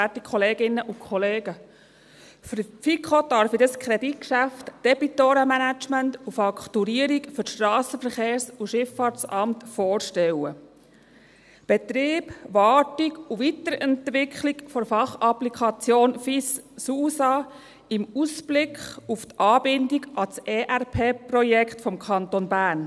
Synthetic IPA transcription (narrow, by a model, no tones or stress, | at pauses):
ætikʰχɔleːɡɪnːəʔʊkʰχɔleːɡə | ffikχodɑɾfidəskʰɾɛdit̚kʃæftd̥ɛb̥itoːɾəmænæt͡ʃməntufɑkʰtuɾiəɾikfʏɾʃtɾɑːsəfəɾχeːɾsuʃɪfːɑːɾt͡sɑmtfɔoːɾʃtɛwə | b̥ɛt̪ɾiːb̥ʋɑːtiɡuʋitəɾɛntʋɪkʰχlikfɔɾfɑχɑplikʰɑt͡sjoːnfissuːsɑ | ɪmusb̥lɪkʰχuft̪ʔɑːbɪndiɡʔɑsɛːʔæɾpʰeːpɾɔjɛkχtfɔmkʰχɑnt̪onbæːɾn